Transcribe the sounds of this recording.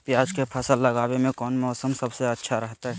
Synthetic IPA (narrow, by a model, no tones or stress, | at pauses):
pjaːd͡ʒkepʰəsəlːɐɡaːwemẽkɔːnmɔːsəmsɐbseɐtːʃʰaɾəɦt̪aɦɛ